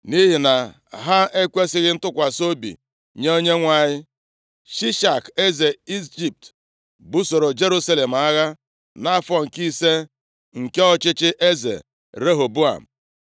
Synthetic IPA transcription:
ni˦ɦi˨na˨ | ɦa˦e˦kʷe˦sɪ˦ɣɪ˦n̩˦tʊ˦kʷa˨so˦bḭ˨ | ɲe˦o˦ɲe˦ŋʷa˨ɲɪ˦ | ʃi˦ʃa˨ke˦ze˨i˦d͡ʒi˨p̚t | bu˦so˨ɾo˨d͡ʒe˦ɾu˦sa˦le˨m̩˨a˦ɣa˦ | na˦fɔ˦ŋ̩˨ki˦se˦ | ŋ̩˨ke˦ɔ˦t͡ʃɪ˦t͡ʃɪ˦ʔe˦zḛ˨ | ɾe˦ɦo˨bu˦a̰˨m̩˨

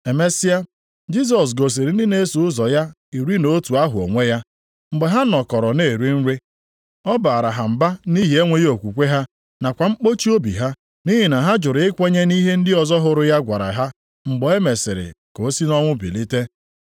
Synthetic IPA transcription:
e˨me˦si˦a˦ | d͡ʒi˦s̬ɔ˨s̬ɡo˨s̬i˨ɾɪ˨n̩˦dɪ˦ne˦su˨ʊ˦zɔ˨ja˦ | i˨ɾi˦no˦tu˨a˦ɦʊ˨o̰˨ŋʷe˦ja˦ | ŋ͡m̩˨ɡ͡be˨ɦa˦nɔ˨kɔ˨ɾɔ˨ne˦˨ɾi˦n̩˦ɾi˦ | ɔ˦ba˨ɾa˨ɦa˨m̩˨ba˦ni˦ɦi˦e˦ŋʷe˦jo˨kʷu˨kʷe˦ɦa˦ | na˨kʷa˨ŋ͡m̩˦k͡po˦t͡ʃi˦o˦bḭ˨ɦa˦ | ni˦ɦi˨na˨ɦa˦d͡ʒʊ˨ɾɪ˨˦ɪ˦kʷe˦ɲe˦ni˦ɦe˦n̩˦dɪ˦ɔ˨zɔ˦ɦʊ˨ɾʊ˦ja˦ɡʷa˨ɾa̰˨ɦa˦ | ŋ͡m̩˨ɡ͡bɔ˨e˦me˨sɪ̰˨ɾɪ̰˨ko˨o˦si˦nɔ˦ŋʷʊ˦bḭ˨li˦te˦

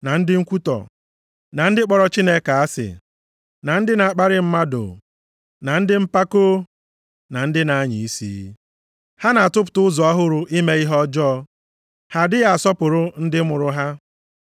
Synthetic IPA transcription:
na˨n̩˦dɪ˦ŋ̩˦kʷu˦tɔ̰˨ | na˨n̩˦dɪ˦k͡pɔ˨ɾɔ˦t͡ʃi˦ne˦ka˨a˦sɪ̰˨ | na˨n̩˦dɪ˦na˨a˨k͡pa˦ɾɪ˦m̩˦ma˦dʊ̰˨ | na˨n̩˦dɪ˦m̩˦pa˦ko˦ | na˨n̩˦dɪ˦na˨a˦ɲi˨i˦sḭ˨˦ | ha˦na˨a˨tʊ˦p̬ʊ̥˨tʊ˦ʊ˦zɔ˨a˦ɦʊ˦ɾʊ˨i˦me˦i˦ɦɔ˦d͡ʒɔ˦ | ha˨dɪ˦ɣa˦a˨sɔ˦pʊ˨ɾʊ˦n̩˦dɪ˦mʊ˨ɾʊ˦ɦa˦

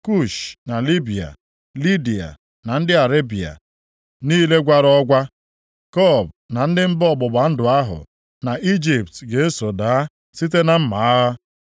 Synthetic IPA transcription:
ku˦ʃna˨li˦bi˨a̰˨ | li˦di˨a̰˨ | na˨n̩˦dɪ˦a˨ɾe˦bi˨a̰˨ | niː˦le˦ɡʷa˦ɾɔ˦ɡʷa˦ | kɔ˦˨b̚na˨n̩˦dɪ˦m̩˦bɔ˦bʊ˨ba˨n̩˦dʊ˨a˦ɦʊ̰˨ | na˨ʔi˦d͡ʒi˨ptɡe˨e˦so˨da˨˦ | si˦t̬e˦na˨m̩˦ma˨a˦ɣa˦

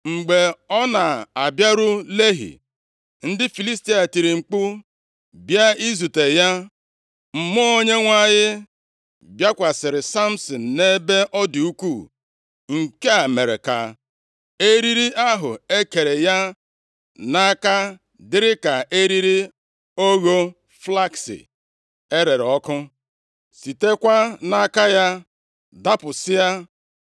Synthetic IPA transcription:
ŋ͡m̩˨ɡ͡be˨ɔ˦na˨a˨bja˦ɾʊ˦le˦ɦḭ˨ | n̩˦dɪ˦fi˨li˦sti˦a˨ti˨ɾi˨ŋ͡m̩˨k͡pʊ˦ | bja˦i˦zu˨te˨ja˦ | m̩˨mʊ˦o˦ɲe˦ŋʷa˦ɲɪ˦ | bja˦kʷa˨sɪ˨ɾɪ˨sa˦m̩˨sɔ˨n̩˨ne˦be˦ʔɔ˦du˨u˦kʷu˦˨ | ŋ̩˨ke˦a˨me˨ɾe˨ka̰˨ | e˦ɾi˦ɾi˦ʔa˦ɦʊ˨e˦ke˨ɾe˨ja˦ | na˦ka˦ | dɪ˦ɾɪ˦ka˨ʔe˦ɾi˦ɾi˦ | o˦ɣo˦ | fla˦ksḭ˨ | e˦ɾe˨ɾɔ˦kʊ˦ | si˨te˦kʷa˦na˦ka˦ja˦ | da˦pʊ˨sɪ˦a˦

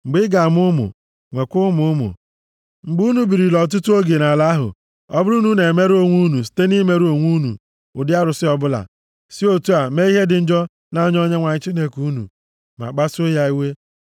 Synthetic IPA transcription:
ŋ͡m̩˨ɡ͡bɪ˦ɡa˨m˦ʊ˦mʊ̰˨ | ŋʷe˨kʷʊ˦mʊ˨˦ʊ˦mʊ̰˨ | ŋ͡m̩˨ɡ͡bu˦nu˨bi˨ɾi˨lɔ˨t̬ʊ˦tu˦o˦ɡe˨na˨la˦ɦʊ̰˨ | ɔ˦bʊ˦ɾu˦nu˦ne˨me˦ɾo˨ŋʷu˦nu˨s̬i̥˨te˦ni˦me˦ɾo˨ŋʷu˦nṵ˨ | ʊ̰˨dɪ˦a˦ɾʊ˨sɪ˦ɔ˦bʊ˦la̰˨ | si˦o˦tu˦a˨me˦i˦ɦe˦dɪ˨n̩˦d͡ʒɔ˦ | na˦ɲ˦o˦ɲe˦ŋʷa˨ɲɪ˦t͡ʃi˦ne˦ku˦nṵ˨ | ma̰˨k͡pa˦so˦ja˦i˦we˦

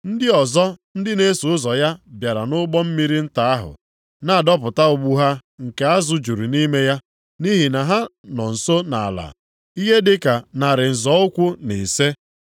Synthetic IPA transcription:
n̩˦dɪ˦ɔ˨zɔ˦n̩˦dɪ˦ne˦su˨ʊ˦zɔ˨ja˦bja˨ɾa˨nʊ˦ɡ͡bɔ˦m̩˦mi˦ɾi˦n̩˦ta˨a˦ɦʊ̰˨ | na˦˨dɔ˦p̬ʊ˨ta˦ʊ˨ɡ͡bu˦ɦa˦ŋ̩˨ke˨a˦zʊ˨d͡ʒu˨ɾi˨ni˦me˦ja˦ | ni˦ɦi˨na˨ɦa˦nɔ˨n̩˨so˦na̰˨a˨la̰˨ | i˦ɦe˦dɪ˦ka˨na˨ɾɪ˨n̩˨zɔ˨˦ʊ˦kʷʊ˦nḛ˨se˦

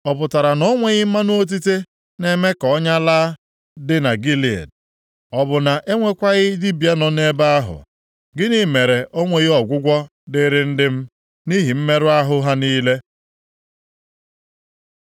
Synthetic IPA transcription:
ɔ˨pʊ˨ta˨ɾa˨nɔ˦ŋʷe˦˨ɣɪ˦ma˦nʊ˦o˦t̬i˦te˦ | ne˦me˦kɔ˦ɲa˦laː˦ | dɪ˦na˨ɡi˦li˨ḛ˨d | ɔ˨bʊ˨na˨ʔe˦ŋʷe˦kʷa˦ɣɪ˦di˦bja˦nɔ˨ne˦ba˦a˦ɦʊ̰˨ | ɡɪ˦ni˦me˨ɾe˨ʔo˦ŋʷe˨ɣɪ˦ɔ˨ɡʷʊ˦ɡʷɔ˦ | dɪ˦ɾɪ˦n̩˦dɪ˦m̩˦ | ni˦ɦi˨m̩˦me˦ɾʊ˦a˦ɦʊ˦ɦa˦niː˦le˦

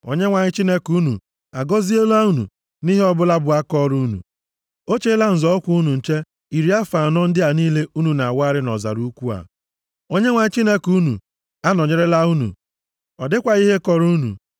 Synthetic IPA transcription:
o̰˨ɲe˦ŋʷa˨ɲɪ˦t͡ʃi˦ne˦ku˦nṵ˨ | a˨ɡɔ˦zi˦o˦la˦u˦nṵ˨ | ni˦ɦe˦ɔ˦bʊ˦la˦bʊ˨a˦kɔ˦ɾu˦nṵ˨ | o˦t͡ʃe˦la˦n̩˨zɔ˦ɔ˦kʷu˦u˦nu˨n̩˨t͡ʃe˦ | i˨ɾi˨a˦fa˨nɔ˦n̩˦dɪ˦a˨niː˦le˦ʔu˦nu˨na˨wa˦ɾɪ˦nɔ̰˨za̰˨ɾu˦kʷu˦a̰˨ | o˦ɲe˦ŋʷa˨ɲɪ˦t͡ʃi˦ne˦ku˦nṵ˨ | a˦nɔ˨ɲe˦ɾe˦la˦u˦nṵ˨ | ɔ˨dɪ˦kʷa˨i˦ɦe˦kɔ˨ɾu˦nṵ˨

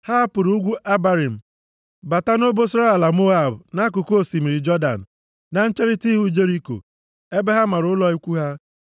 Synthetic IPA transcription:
ha˦pʊ˨ɾu˦u˦ɡʷu˦ʔa˦ba˦ɾi˨m̩˨ | ba˨ta˦no˦bo˦sɾa˦e˨la˨mo˦a˦˨bna˦k̬ʊ˨ko˦˨si˨mi˨ɾi˨d͡ʒɔ˦da̰˨n̩˨ | na˦n̩˦t͡ʃe˦ɾi˦ti˦ɦu˦d͡ʒe˦ɾi˦ko̰˨ | e˦be˦ɦa˦ma˨ɾʊ˦ʊ˦lɔ˦i˦kʷu˦ɦa˦

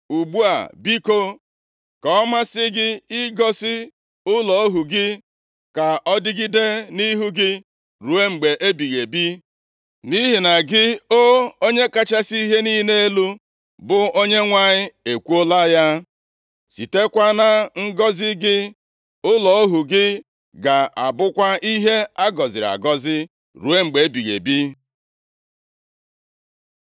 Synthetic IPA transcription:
u˨ɡ͡bu˦a̰˨bi˦ko˦ | kɔ˨ɔ˦ma˦sɪ˦ɡɪ˦i˦ɡɔ˦sɪ˦ | ʊ˦lɔ˨o˦ɦu˨ɡɪ˦ | ka˨ʔɔ˦dɪ˦ɡɪ˦de˦ni˦ɦu˦ɡɪ˦ | ɾu˨e˦ŋ͡m̩˨ɡ͡be˨ʔe˦bi˨ɣe˨bi˦ | ni˦ɦi˨na˨ɡɪ˦o˦o˦ɲe˦ka˦t͡ʃa˦si˦i˦ɦe˦ni˦ne˦e˦lu˦ | bʊ˨o˦ɲe˦ŋʷa˦ɲɪ˦e˨kʷu˦o˦la˦ja˦ | si˨te˦kʷa˦na˦ŋ̩˦ɡɔ˦zɪ˦ɡɪ˦ | ʊ˦lɔ˨o˦ɦu˨ɡɪ˦ | ɡa˨ʔa̰˨bʊ˦kʷa˦i˦ɦe˦a˦ɡɔ˨zɪ˨ɾa̰˨ɡɔ˦zɪ˦ | ɾu˨e˦ŋ͡m̩˨ɡ͡be˨e˦bi˨ɣe˨bi˦

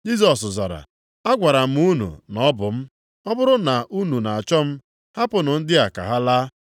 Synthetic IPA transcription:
d͡ʒi˦zɔ˨sza̰˨ɾa̰˨ | a˦ɡʷa˨ɾa˨m̩˦u˦nṵ˨nɔ˦bʊ˨m̩˦ | ɔ˦bʊ˦ɾʊ˦na˨ʔu˦nu˨na˨a˨t͡ʃɔ˦m̩˦ | ha˦pʊ˨nʊ˨n̩˦dɪ˦a˨ka̰˨ɦa˦la˦

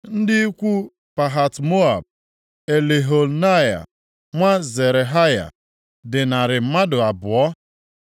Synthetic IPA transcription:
n̩˦dɪ˦i˦kʷu˦ | pa˨ɦa˨tmo˦a˨b̚ | e˨le˨ɦo˨lna˦ja̰˨ | ŋʷa˦ze˨ɾe˨ɦa˦ja̰˨ | dɪ˨na˨ɾɪ˨m̩˦ma˦dʊ˨a˨bʊ˨ɔ˦

